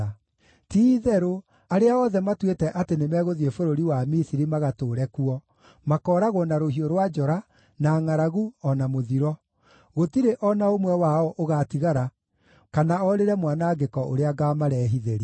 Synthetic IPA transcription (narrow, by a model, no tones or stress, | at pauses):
tiðɛɾo | aɾeaɔðɛmatwetɛʔatenemɛɣoðiefoɾoɾiwamisiɾimaɣatoːɾɛkuɔ | makɔːɾaɣwɔnaɾoɦioɾwad͡ʒɔɾa | naːŋaɾaɣuɔnamoðiɾɔ | ɣotiɾeʔɔnaomwɛwaɔʔoɣatiɣaɾa | kanaɔɾeɾɛmwanaːɡekɔʔo̰ɾeaɡamaɾɛːɦiðeɾi